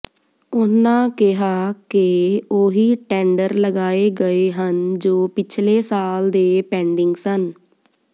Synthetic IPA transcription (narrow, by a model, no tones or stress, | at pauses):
ʊnãːkɪɦaːkɪoːɦiːʈɛ̃ːɳɖəɾləɡaːeːɡəeːɦənd͡ʒoːpɪt͡ʃʰleːsaːld̪eːpɛ̃ːɳɖɪŋɡsən